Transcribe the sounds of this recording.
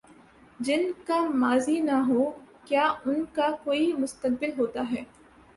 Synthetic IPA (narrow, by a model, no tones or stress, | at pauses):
d͡ʒɪnkamaːzinɐɦoːkjaːʊnkakoːimʊst̪ək̚bɪlɦoːt̪aɦɛː